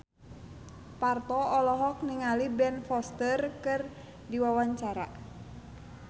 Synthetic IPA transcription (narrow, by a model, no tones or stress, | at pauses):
part̪ɔːlɔɦɔk̚niŋalibɛnfɔst̪ərkɨr | diwawaɲt͡ʃaɾa̰